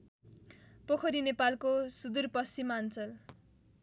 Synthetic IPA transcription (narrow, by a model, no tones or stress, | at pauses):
pokʰʌɾinepalkosud̪urpʌst͡simant͡sʌl